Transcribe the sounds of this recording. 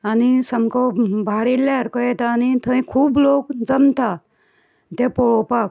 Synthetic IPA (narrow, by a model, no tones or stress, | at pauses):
anisəmkɔbʱaɾiljaɾkɔjɛt̪aːnit̪ʰə̃ĩkʰuːblokd͡zəmt̪a | t̪epɔɭɔpak̚